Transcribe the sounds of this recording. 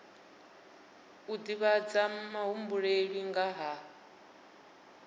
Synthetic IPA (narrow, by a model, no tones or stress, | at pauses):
ud̪iβad͡zamaɦumbuɺeɺiŋɡaɦa